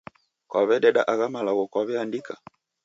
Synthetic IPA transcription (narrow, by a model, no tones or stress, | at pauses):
kwaβɛɗɛɗaʔaɣamalaɣɔkwaβɛandika